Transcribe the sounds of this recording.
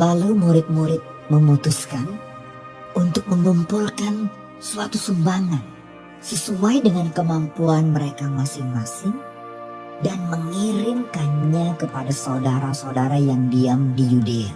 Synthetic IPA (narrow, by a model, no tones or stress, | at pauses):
lalumuɾɪt̪̚muɾɪt̪̚məmut̪uskan | unt̪ʊk̚məŋumpulkan | suat̪usumbaŋan | səsuajdəŋankəmampuanməɾekamasɪŋmasɪŋ | danməŋiɾɪmkanɲakəpadasaudaɾasaudaɾajaŋdiamdijudea